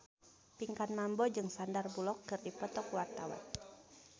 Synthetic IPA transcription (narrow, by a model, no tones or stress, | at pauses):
piŋkanmambɔd͡ʒɨŋsandarbulɔkːɨrdipɔt̪ɔkwart̪awa̰n